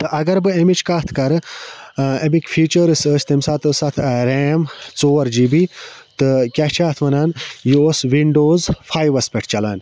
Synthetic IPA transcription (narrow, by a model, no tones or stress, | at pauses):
t̪ɨʔɐɡɐɾbɨemit͡ʃkaːt̪ʰkɐɾɨ | emikʲfʰiːt͡ʃəɾɨsəːsʰʲt̪emʲsaːt̪ɨsat̪ʰɾeːmt͡soːɐɾd͡ʒibit̪ɨkʲɐht͡ʃaːt̪ʰʋɐnaːnjiosʋiɳɖoːzfʰaːjʋɐspʲeʈʰt͡ʃɐla̰ːn